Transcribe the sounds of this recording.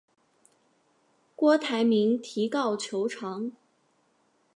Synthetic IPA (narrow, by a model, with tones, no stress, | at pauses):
kwɔ˥t̪ʰa˧˥ɪmi˧˥ŋt̪ʰi˧˥kɑ˥˩ʊt͡ɕʰjo˧˥ʊʈ͡ʂʰɑ˧˥ŋ